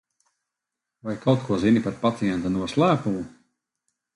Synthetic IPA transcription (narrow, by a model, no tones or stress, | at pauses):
vajkʰawt̪kʰuɔzinipaɾpat̪sijɛnt̪anuɔslˠæːpumu